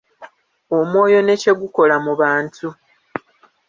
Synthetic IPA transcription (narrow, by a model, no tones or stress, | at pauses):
o̞mwo̞ːjo̞ne̞ce̞ɡuko̞lamuβaːntu